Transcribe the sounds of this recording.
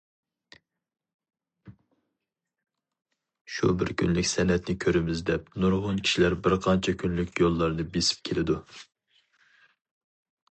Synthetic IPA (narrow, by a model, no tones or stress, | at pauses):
ʃṵbɪ̰ɾkʲʰynlɪkʲsɛnɛt̪nɪkʲʰøɾɪmɪzd̪ɛp̚nuɾʁʊnkʲʰi̥ʃilæɾbɪɾqʰɑnt͡ʃʰɛkʲʰynlykʲjolˠːɑɾnɨbesɪ̥p̚kʲʰelɪd̪u